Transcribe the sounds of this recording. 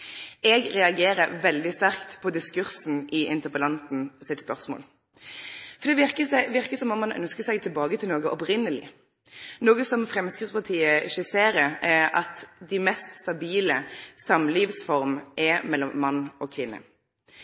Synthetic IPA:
ɛɡɾɛɑɡeːɾəɾʋɛld̪ɪst̪æʁkt̪pʰɔd̪ɪskʉɾsn̩ʔɪʔɪnt̪əʁpəlɑnt̪n̩sɪt̪spœʁsmo̰ːl | fɔɾd̪ɛʋɪʁkəʋɪɾkəsɔmɔmɑnœ̰nskəsɛɡt̪ʰɪlbɑːɡət̪ʰɪlnoːɡəʔɔpɾɪnːəlɪ̰ | noːɡəsɔmfɾɛmskɾɪt̪spʰɑt̪ʰiːəɪçəseːɾəɛɑ̰t̪d̪ɪmɛst̪st̪ɑbiːləsɑmliːʋsfɔɾmʔɛmɛlːɔmːɑnːɔkʰʋɪnːə̰

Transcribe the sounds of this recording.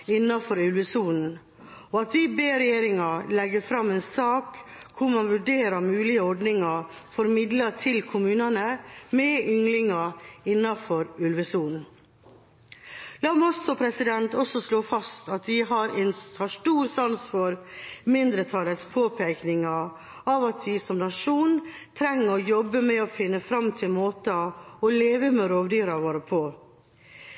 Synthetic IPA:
ɪnːɑfɔɾʉlʋəsuːnn̩ | ɔɑt̪ʋɪbeːɾɛjeːɾɪŋɑlɛɡːəfɾɑmeːnsɑːkkʰːʊɾmɑnʋʉɖeːɾɑmʉːlɪəɔɖnɪŋɑ | fɔɾmɪd̪lətʰɪlkʰʊmʉːnɑnəmɛʏŋlɪŋɑɪnːɑfɔɾʉlʋəsuːnn̩ | lɑːmɔsɔpʰɾɛsɪd̪ɛnt̪ɔsɔsloːfɑst̪ɑt̪ʋɪɦɑɾɛnhɑʂʈuːɾsɑnsfɔɾmɪnd̪ɾət̪ʰɑlət̪spʰoːpʰeːknɪŋɑ | ɑːʋɑt̪ʋɪsɔmnɑʂuːn | t̪ʰɾɛŋːəɔjɔbːəmɛɔːfɪnːəfɾɑmːt̪ʰɪlmoːt̪əɔleːʋəmɛɾoːʋd̪yːɾɑʋoːɾəpʰoː

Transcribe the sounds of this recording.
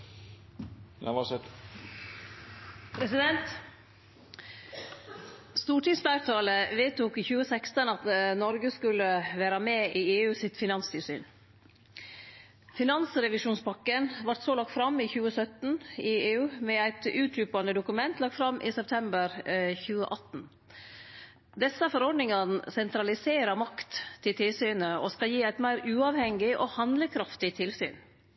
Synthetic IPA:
ʋɑsɛ | pʰɾɛsɪd̪ɛnt̪ | st̪uːʈiːsblæɪɾt̪ʰɑːləʋeːt̪uːkiçʉːəsɛkst̪ənɑt̪nɔɾɡəskʉləʋæːɾɑmeːʔiːeːʉːsɪt̪fɪnɑnst̪ɪːlsy̰ːn | fɪnɑnsɾɛʋɪʂuːnspɑkːənʋɑɾʈ̪soːlɑk̚t̪fɾɑmɪçʉːəsœt̪n̩ɪeːʉːmɛæɪt̪ʉːt̪ʰɾʉːpɑnəd̪ʊkʉmɛnt̪lɑk̚t̪fɾɑmʔɪ̰sɛp̚t̪ʰɛmbəɾçʉːə̰ʔɑt̪n̩ | d̪ɛsəfɔɾɔɖnɪŋɑnəsɛnt̪ɾɑlɪseːɾəmɑkt̪t̪ʰːɪlt̪ʰɪlsyːnəɔ̰skɑljiːæɪt̪mæɪɾʉːɑːʋhɛŋɡɪʔɔːhɑnd̪ləkʰɾɑft̪ɪt̪ʰɪlsy̰ːn

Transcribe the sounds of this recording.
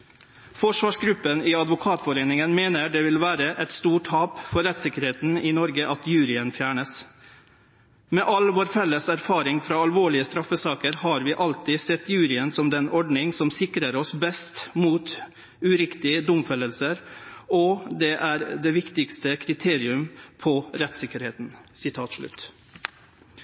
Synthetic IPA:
fɔʂʋɑːʂɡɾʉpːənɪɑd̪ʋʊkʰɑːt̪fɔɾeːnɪŋənmeːnəɖɛʋɪlʋæːɾəʔɛt̪st̪uːʈhɑːpfɔɾɛt̪sɪkəɾheːt̪n̩ɪnɔɾɡəʔɑt̪jʉːɾɪənfjæːɳəs | mɛːʔɑlʋoːɾfɛlːəsæɾfɑːɾɪŋfɾɑːɑlʋoːɭɪəst̪ɾɑfəsɑːkəɾhɑːɾʋɪːʔɑlt̪ɪsɛt̪ːjʉːɾɪənsɔmd̪ɛnɔɖnɪŋsɔmsɪkɾəɾɔsbɛst̪muːt̪ | ʉɾɪkt̪ɪəd̪ʊmfɛlːəlsəɾɔd̪ɛʔæːɾd̪ɛːʋɪkt̪ɪkst̪əkʰɾɪt̪ʰeːɾɪʉmpʰɔɾɛt̪sɪkːəɾheːt̪nsɪt̪ʰɑːt̪ʂɭʉ̰t̪

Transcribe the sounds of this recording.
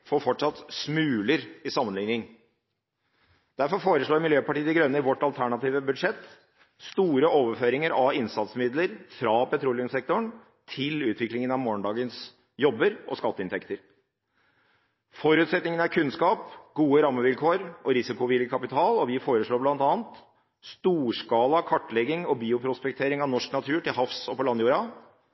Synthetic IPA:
foːɾfɔʈʂɑt̪smʉːləɾɪsɑmːənlɪŋnɪŋ | d̪̥æɾfɔɾfoːɾəʂɭoːɾmɪljøːpɑʈiːd̪ɪɡɾœnːəɾʋɔʈːɑlt̪ʰæɳɑt̪ʰiːʋəbʉd̪ʂɛt̪ː | st̪uːɾəoːʋəɾføːɾɪŋəɾɑʋɪnsɑt̪smɪd̪ləɾfɾɑpʰɛt̪ʰɾuːlɪʉmsɛk̚t̪ʊɳ | t̪ʰɪlʉːt̪ʰʋɪklɪŋənɑʋmoːɳɖ̪ɑːɡəns | jɔbːəɾɔ̰skɑt̪ːəɪnt̪ʰɛkt̪əɾ | fɔɾʉːt̪sɛt̪nɪŋənæɾkʰʉnskɑːpɡuːəɾɑmːəʋɪlkʰoːɾɔɾɪsɪkʊʋɪljəkʰɑpɪt̪ʰɑːlɔʋɪfoːɾəʂɭoːblɑnt̪ɑːnt̪ | st̪uːʂkɑːlɑkʰɑʈːlɛɡːɪŋɔbiːʊpʰɾʊspɛk̚t̪ʰeːɾɪŋɑʋnɔʂknɑt̪ʰʉːʈɪlɦɑfsɔpɔlɑnjuːɾɑ

